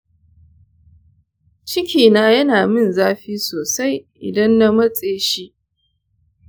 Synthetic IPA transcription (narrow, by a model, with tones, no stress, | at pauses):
t͡ʃɪ˦kʲiː˨naː˦jɐ˦naː˨mɪ˦nzaː˦ɸiː˦soː˨sa˦jʔɪ̰˨dɐ˦nːa˦mɐ˦t͡sʼeː˦ʃi˦ʔ